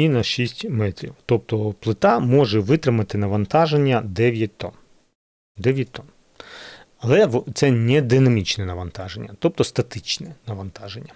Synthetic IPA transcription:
inɐʃisʲtʲmɛt̪ɾʲḭwt̪ɔp̚t̪ɔplˠɪt̪ɑmɔʐɛʋɪt̪ɾɪmɐt̪ɪnɐʋɐnt̪ɑʒenʲːɐd̪ɛʋʲjɐt̪ɔ̰n | d̪ɛʋʲjɐt̚ʲt̪ɔn | ɐlˠɛʋt̪sɛnʲɛd̪ɪnɐmʲit͡ʃnɛnɐʋɐnt̪ɑʒenʲːɐ̰t̪ɔp̚t̪ɔst̪ɐt̪ɪt͡ʃnɛnɐʋɐnt̪ɑʒenʲːɐ

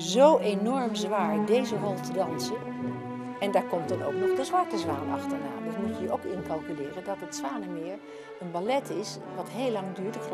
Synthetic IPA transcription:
zowʔenɔɹmzʋaːɹdejzərɔlˠtədɑnsən | ɛndaːɹkɔmtdɑno̰wknɔχdəzʋɑɹtəzʋaːnɑχtəɹna̰ːdɪtmutiːɹowkɪnkɑlˠkylɪːrədɑtətsʋaːnəmɪːɹ | ənbalɛtɪs | ʋɑtɦejlːɑŋdyːɹtɪ

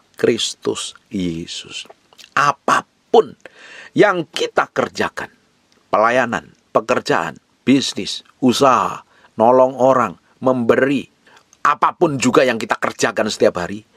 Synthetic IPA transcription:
kɾɪst̪ʊ̰sjesʊs | ʔapa | pʊnjaŋkit̪akərd͡ʒakan | pəlajana̰n | pəkərd͡ʒa̰ʔa̰n | b̥isnɪs | usaɦa̰ | nɔlɔŋoɾaŋ | məmbəɾi | ʔapapʊnd͡ʒuɡajaŋkit̪akərd͡ʒakansə̥t̪iapɦaɾi

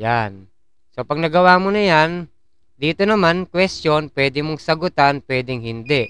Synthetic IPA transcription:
jan | sopɐɡ̚nɐɡɐwamonɐjan | d̪iːt̪onɐmankwɛstjonpwɛːd̪ɪmoŋsɐɡʊt̪anpwɛːd̪ɪŋɦɪnd̪ɛʔ

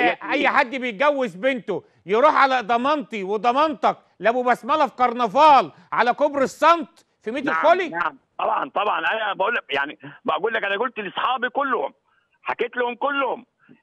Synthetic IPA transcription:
ʔæjːħad̪ːbejɡæwːezbent̪o | jeɾˤuːħʕalæd̪ˤɑmɑnt̪iwed̪ˤɑmɑnt̪ˤɑk | læbubæsmælæfkɑɾˤnɑvɑːl | ʕalækobɾesˤːɑnt̪ˤ | fimeːt̪eolinaʕmt̪ˤɑbʕɑ̰nt̪ˤɑbʕɑnʔænæbæʔuːlːæk̚jaʕnibæʔæɡuːlːækʔænæɡult̪elʔesˤħɑːbikolːho̰m | ħakeːt̪lohomkolːhom

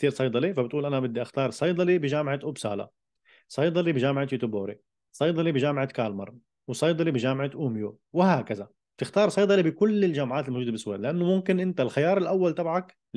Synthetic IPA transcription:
kt̪iːɾsˤɑjd̪ˤɑlifabɪt̪ʔuːlʔanabɪd̪ːiʔaxt̪ɑːɾˤsˤɑjd̪ˤɑlibɪʒaːmʕat̪ʔʊbsa̰ːla̰ | sˤɑjd̪ˤɑlibɪʒaːmʕat̪juːt̪uboːɾi | sˤɑjd̪ˤɑlibɪʒaːmɪʕakaːlmɑ̰ɾˤ | wsˤɑjd̪ˤɑlibɪʒaːmʕat̪ʔumju | wɪhaːkaza | t̪ɪxt̪ɑːɾˤsˤɑjd̪ˤɑlibɪkʊlːɪld͡ʒaːmʕaːt̪ɪlmoːʒuːd̪abɪsˤweːlɪʔanːʊmʊmkɪnʔɪnt̪alxajɑːɾˤɪlʔawːalt̪abʕak

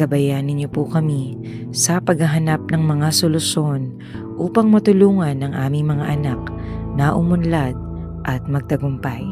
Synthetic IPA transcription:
kɐbɐjanɪɲjopʊkɐmi | sɐpɐɡhɐɦɐnap̚nɐŋmɐŋasolʊʃon | ʔuːpɐŋmɐt̪ʊluːŋɐnːɐŋʔaːmɪŋmɐŋaʔɐnak̚ | nɐʔʊmʊnlad̪̚ | ʔɐt̪̚mɐɡ̚t̪ɐɡʊmpaj

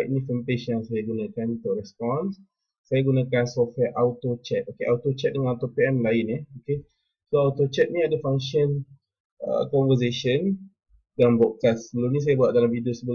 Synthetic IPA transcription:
ajʔ̚nĩfɛmpeʃjaŋsajaɡunãkanit̪uɾɛspɔns | sajaɡunãkansɔfwɛʔawt̪ot͡ʃɛt̪̚okeʔawt̪ot͡ʃɛt̪̚dəŋanawt̪opeɛmlaɪnɛoke | soawt̪ot͡ʃɛt̪̚nĩadafaŋʃən | ə̰kɔ̃nvəs̬eʃən | danbɔʔkassəbəlumnĩs̬ajabuat̪ʔ̚dalamvidosəbəl

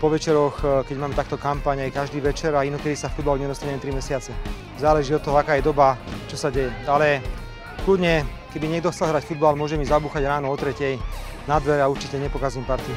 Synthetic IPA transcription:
pɔʋɛt͡ʃɛɾɔxkɛɟmaːmɛt̪akːt̪ɔkampaːɲajkaʒd̪iːʋɛt͡ʃɛɾainɔkɛd̪isafud̪̚balɲɛd̪ɔst̪aɲɛmɛt̪ɾimɛsɪat͡sɛ | zaːlɛʒiːɔt̪ːɔɦɔakaːjɛd̪ɔbat͡ʃɔsaɟɛjɛalɛ | klud̪ɲɛ | kɛbiɲɛɡd̪ɔxt͡sɛlɦɾacfud̪balmʊɔʒɛmizabuːxaɟɾaːnɔɔt̪ɾɛcɛj | nad̪ʋɛɾauɾt͡ʃicɛɲɛpɔkazujɛmpaɾt̪i

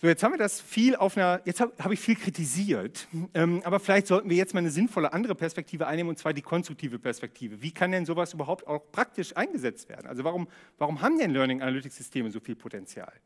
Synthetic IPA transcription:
z̥oːjɛt͡sthabmviːɐdasfiːlaʊfnɐjɛt͡sthaːbəhaːbəɪçfiːlkʁ̥itʰiziːɐtʔɛːmʔaːbɐfɪlaɪçtz̥ɔltn̩viːɐjɛt͡stmaːlnəzɪnfɔləʔandəʁəpʰɛɐspɛk̚tʰiːvəʔaɪnːeːmənʊntt͡sv̥aːɐdiːkʰɔnstʁʊk̚tʰiːvəpʰɛɐspɛk̚tʰiːvəviːkʰandɛnzoːvasʔyːbɐɦaʊpta̰ʊxpʁ̥ak̚tɪʃʔaɪnɡəzɛt͡stv̥ḛːɐdn̩ʔa̰lzovaʁʊmvaʁʊmɦaːbm̩dɛnlœɐnɪŋʔanalʏtɪkz̥ʏstʰeːməzoːfiːlpʰotɛnt͡sja̰ːl

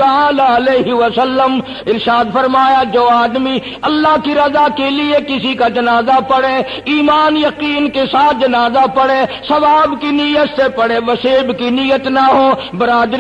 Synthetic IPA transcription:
ɐaːlaɐleːɦiʋəsəlːəm | ɪɾʃaːd̪fɐɾmaːjad͡ʒoːaːd̪mi | ɐlːaɦkiɾɐzakeliekɪsikad͡ʒɐnaːzapɐɽeː | iːmaːnjɐqiːnkesaːt̪̚ʰd͡ʒɐnaːzapɐɽesɐʋaːbkinijət̪sepɐɽeʋɐseːbkinijət̪naɦoː | bɐɾaːd̪ɾ

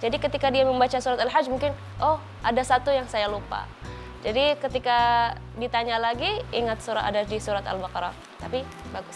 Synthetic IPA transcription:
d͡ʒadikət̪ikadiaməmbat͡ʃasuɾat̪alɦad͡ʒmuŋkɪn | ʔɔh | ʔadasat̪ujaŋsajalupa̰ | d͡ʒadikət̪ika | dit̪aɲalaɡiiŋat̪̚suɾaa̰dadisuɾat̪a̰lbakɾa | t̪apibaɡʊs

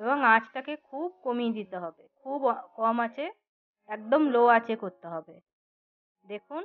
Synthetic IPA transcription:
ebɔŋat͡ɕʈakekʰub̚komid̪it̪eɦɔbekʰubkɔmat͡ɕʰe | ɛk̚d̪omloat͡ɕʰekoɾt̪eɦɔbe | d̪ekʰun

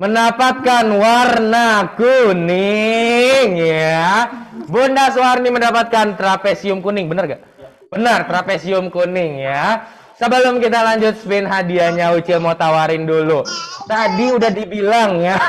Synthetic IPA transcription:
məndapat̪̚kanwarnakunɪ | ŋja | bondaswarniməndapat̪̚kant̪ɾapesiʊmkunɪŋbənərɡaʔ | b̥ənərt̪ɾapesiʊmkunɪŋja | səbələmkit̪̬alaɲd͡ʒʊt̪̚sbenɦadiaɲaut͡ʃɪlmot̪awaɾɪndulut̪adiudahdibilaŋja

